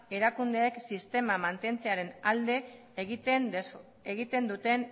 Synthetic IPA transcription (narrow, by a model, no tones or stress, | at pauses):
e̞ɾakund̪eːksist̪e̞mamant̪e̞nt͡seaɾe̞nald̪e̞ | ɣit̪en | eɣit̪e̞nd̪ut̪e̞n